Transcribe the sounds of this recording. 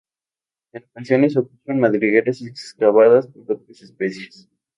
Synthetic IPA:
enakansjones̬okut͡ʃonmaðɾiɣeɾasekskaβaðaspond̪ot̪̚ɾesespesjes

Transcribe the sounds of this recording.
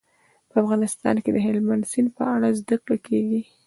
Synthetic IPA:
pəafɣɑnɪst̪ɑ̰nked̪əɦɪlmand̪sinpəaɽazd̪akɽokʰeɡi

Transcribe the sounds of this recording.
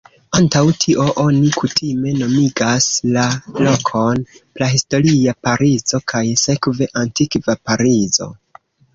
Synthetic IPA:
antawtʰiʔo̞ʔo̞nikʰutʰime̞no̞miɡaslalo̞kʰo̞nplaɦisto̞ɾiapaɾizo̞kʰajse̞kve̞ʔantikvapaɾizo̞̰

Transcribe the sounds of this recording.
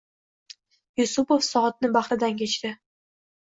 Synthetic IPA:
jʊsʊpofsɒːt̪̚nɪbaχɾɪd̪ankʲʰet͡ʃt̪ɪ

